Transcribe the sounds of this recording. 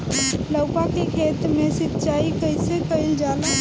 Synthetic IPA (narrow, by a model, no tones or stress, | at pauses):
ləʊkakekʰet̪mesitːt͡ʃaikəjsekəɪld͡ʒalə